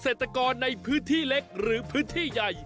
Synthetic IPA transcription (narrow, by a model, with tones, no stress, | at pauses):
seː˨˩t̪ɾa˧kɔː˧nːa˧jpʰɯː˦˥nt̪ʰiː˥˩le˦˥k̚ɾɯː˩˦pʰɯː˦˥nt̪ʰiː˥˩ja˨˩j